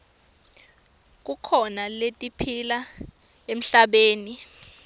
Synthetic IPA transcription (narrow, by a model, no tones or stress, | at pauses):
k̬ukʰɔnaletʼipʰila | em̩ɬaɓeːni